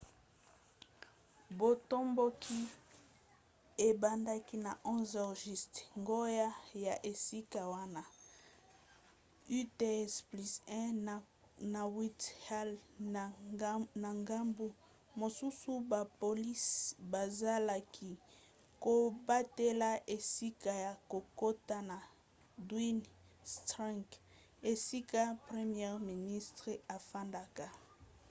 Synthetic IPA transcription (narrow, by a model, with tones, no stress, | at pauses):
bo˨to˦mbo˦kʰi˦ | e˨ba˨nda˦ki˦na˨ʔɔ̃˦zɔ˨ʁʒi˦˨stŋɡo˦ja˦ja˨ʔe˨si˦ka˨wa˦na˨ | y˦te˦ɛ˦spli˦sɛ̃˦ | na˨wi˦ta˦l | na˨ŋɡa˦mbu˦ | mo˨su˦su˦ba˨po˨li˦sba˨za˦la˨kʰi˨ | ko˨ba˦te˦la˦ʔe˨si˦ka˨ja˨ko˨ko˦ta˦na˨ | dwi˦n | stã˦ŋk | e˨si˦ka˦pʁe˦mjɛ˦ʁmi˨ni˦stʁe˦a˨fa˦nda˨ka˨